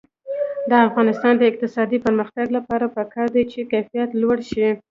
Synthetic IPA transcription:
d̪əafɣɑnɪst̪ɑnd̪əɪq̚t̪ɪsɑd̪ipəɾməxt̪aɡlapɑɾapəkɑɾd̪ajt͡ʃekajfijat̪lwaɽʃi

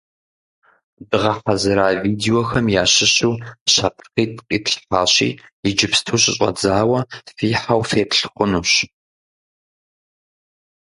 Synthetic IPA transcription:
bɨʁɐħɐzɨɾaːviːdeoxɐmjaːɕɪɕuːɕapʰrqiːtʰʼqʼiːtɬfaːɕḭːjɪd͡ʒɪpstʰuːɕʼɪɕʼɐ̰d͡zaːwɐfiːħawfeːpɬχʷʊnuːɕ

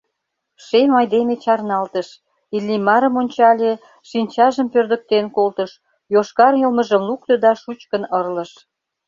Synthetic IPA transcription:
ʃemɑjd̪emet͡ɕɑrnɑlt̪əʃ | ilʲːimɑɾə̆monʲt͡ɕɑlʲe | ʃinʲt͡ɕɑʒəmpørd̪ək̚t̪enkolt̪əʃ | joʃkɑrjəlməʒə̆mlukt̪ə̆d̪ɑʃut͡ɕkənərlə̆ʃ

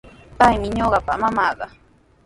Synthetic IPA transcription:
pajmɪɲoɢɑpa̰mamɑːɢɑ

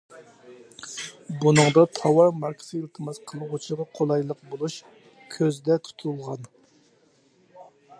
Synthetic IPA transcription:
bunɨŋd̪ɑt̪ʰɑwɑɾmɑɾkʲʰɪ̥sɨilt̪ʰɨmɑsqʰəlˠəʁot͡ʃʰiʁɑqʰolˠɑjlˠəqbolˠuʃ | kʲʰøzd̪ɛt̪ʰu̥t̪ʰulˠʁɑn

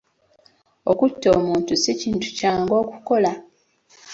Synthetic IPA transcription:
o̞kutːo̞ːmuːntusiciːntu̥caːŋɡo̞ːkuko̞la

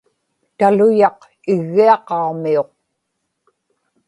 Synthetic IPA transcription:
t̪alʊjɑq | ɪɣːiɑqɑumio̞q̚

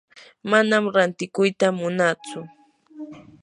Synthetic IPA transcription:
manamɾant̪ɪkʊjt̪amʊnat͡sʊ

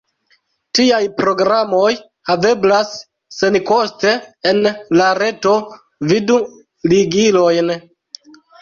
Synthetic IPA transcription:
tiajpɾo̞ɡɾamo̞j | have̞blasː | e̞nkoste̞ːnlaɾe̞to̞ | vidu | liɡilo̞jn

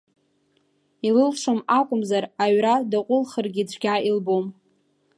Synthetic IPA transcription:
ilɨlʂʰomakʷʼʊmzaraɥradaqʷʼʊlχərɡʲit͡ɕʷʰʼɡʲailbom

